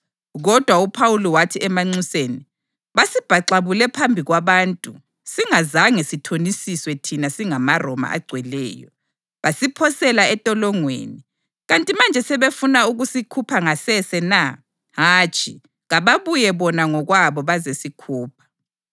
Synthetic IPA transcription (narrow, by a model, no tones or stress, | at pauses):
ɣɔd̥ʱwaupʰawulɔwatʰiɛmaŋ͡ǀiseːni | βasib̥ʱaǀaβulɛpʰambʱiɣwaβaːntʼu | siŋazaŋesitʰonisiswɛtʰinasiŋamarɔma̰ʔa̰ɡ͡ǀʱwɛlɛ̰ːjɔ̰ | βasipʰɔsɛlaɛtʼɔlɔŋwḛːni | ɣantʼimand͡ʒʱɛsɛβefunauɣusikʰupʰaŋasɛsɛna | ɦaːt͡ʃʼʰḭ | ɣaβaβujɛβɔnaŋɔɣwaβɔβazesikʰuːp̚ʰḁ